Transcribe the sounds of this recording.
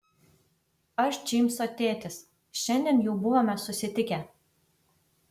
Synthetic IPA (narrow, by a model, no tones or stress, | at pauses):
ɐʃd͡ʒimʲsot̪ʲeːt̪ʲɪs | ʃɛnʲd̪ʲenjuːbʊʋomʲɛsʊsʲɪt̪ʲɪkʲæ